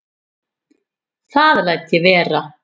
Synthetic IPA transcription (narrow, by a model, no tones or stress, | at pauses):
θaðlajt̪jɛvɛːɾa